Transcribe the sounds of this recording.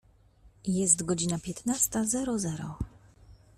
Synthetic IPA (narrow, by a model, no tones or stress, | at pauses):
jɛs̬t̪ɡɔd͡ʑinapʲjɛt̪nast̪azɛɾɔzɛɾɔ